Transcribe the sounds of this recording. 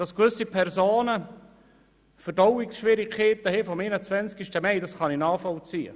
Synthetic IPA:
d̥ɑskvʏsipʰɛrzoːnə | fərdɔwɪksʃʋiɾikʰeːt̪əhefɔmenət͡svɛnt͡skiʃtəmɛɪdɑsχɑninɑːfɔlt͡siːə̰

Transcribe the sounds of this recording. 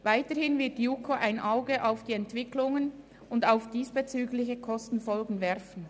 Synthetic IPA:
vaɪtəhɪnvɪɐt̚d̥iukʰoʔaɪnʔaʊɡəʔaʊfd̥iːɛntv̥ɪklʊŋən | ʊndaʊfd̥iːsb̥et͡syːɡlɪçəkʰɔstn̩fɔlɡŋ̩vɛɾfn̩

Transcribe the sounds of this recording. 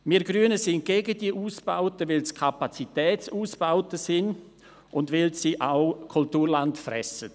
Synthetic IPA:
miːɾɡɾyənəsɪn̚ɡ̥eɡədiəʔuːsb̥aʊtəʋɪlskʰapat͡sitɛːt͡suːsb̥aʊtəsɪn | ʔʊndʋɪlsiʔaʊkʰʊltuːɾlantfrɛ̰sə

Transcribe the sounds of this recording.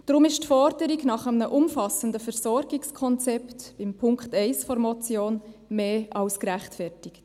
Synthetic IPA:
d̥ɾʊmɪʃtfɔɾdəɾiɡnɑχəmnəʔʊmfɑsəndəfɛɾsɔɾɡɪkskʰɔnt͡sɛptb̥ɪmpʰʊŋkχtɛɪsfɔɾmɔt͡sjoːnmeːʔɑlskɾæχtfɛrtɪkt

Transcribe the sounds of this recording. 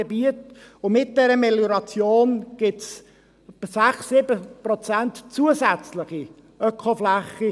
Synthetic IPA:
ebiətʊmɪt̚d̥ɛɾəmeljoɾɑt͡sjoːnɡ̥ɪts | pəsæχsːɪbəprɔt͡sæntt͡suːəsæt͡slɪχi | œkʰoflæχi

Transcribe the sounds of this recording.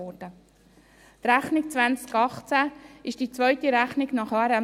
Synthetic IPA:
ɔɾd̥ə | t̪ɾæχnɪk̚t͡svænt͡skɑχt͡sæɪʃd̥it͡svœʏtiɾæχnɪɡnɑχɑːɾɛ

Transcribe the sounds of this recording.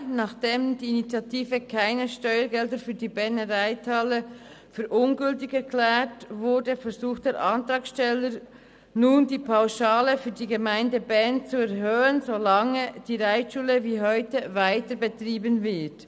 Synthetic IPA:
nɑχd̥eːmd̥iːinit͡sjɑtʰiːvəkʰaɪnəʃtɔʏəɡɛldəfyːdiːbɛnəʁaɪtʰalə | fyːɾʔʊnɡʏltɪçɛɐkʰlɛːtvʊdəfɛɾzuːxtd̥eːɾʔɑntrɑːksʃtɛləɾ | nuːndiːpʰaʊʃaːləfyːɐdiːɡəmaɪndəbɛɐnt͡suɛɐhøːənzolɑŋəd̥iːʁaɪtʃuːləviːɦɔʏtəvaɪtəbətʁiːbənvɪt

